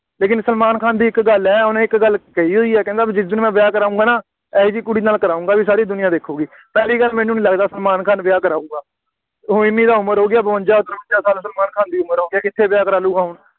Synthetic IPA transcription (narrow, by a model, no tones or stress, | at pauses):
leːkɪnsəlmaːnkʰaːnd̪iːɪkɡəlɛːʊnẽːɪkɡəlkəiːɦoːiːɛːkɛ̃ːnd̪aːbiːd͡ʒɪsd̪ɪnːmɛ̃ːʋɪjaːkəɾaːũŋɡaːnaː | ɛd͡ʒiːkʊɽiːnaːlkəɾaːũːŋɡaːbiːsaːɾiːd̪ʊnɪjãːd̪eːkʰːoːɡiː | pɛːliːɡəlmɛ̃ːnũːnĩːləɡd̪aːsəlmaːnkʰaːnʋɪjaːkəɾaːũːɡaː | ɦʊɪnːĩːd̪aːʊməɾɦoːɡɪjaːbəʋə̃nd͡ʒaːd̪əɾʋət͡ʃaːsaːlsəlmaːnkʰaːnd̪iːʊməɾɦoːɡɪjaːkɪt̪ʰːeːʋɪjaːkəɾaːlũːɡaːɦʊn